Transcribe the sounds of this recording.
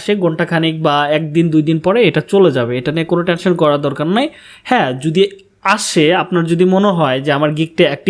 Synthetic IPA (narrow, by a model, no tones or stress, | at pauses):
ʃeɡoɳʈakʰanik̚baɛk̚d̪ind̪ujd̪inpɔɾeeʈat͡ɕoled͡ʑabeeʈaniekonoʈenʃonkɔɾad̪ɔɾkaɾnaj | hɛ̃d͡ʑud̪i | aʃeapnaɾd͡ʑod̪imoneɦɔed͡ʑeamaɾɡik̚ʈeɛk̚ʈi